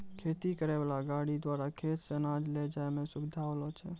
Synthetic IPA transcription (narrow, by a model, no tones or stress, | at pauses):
kʰet̪ikəɾɛbalaɡaɽid̪waɾakʰet̪senãd͡ʒlɛd͡ʒaemẽsubɪd̪ʱaolɔt͡ʃʰɛ̰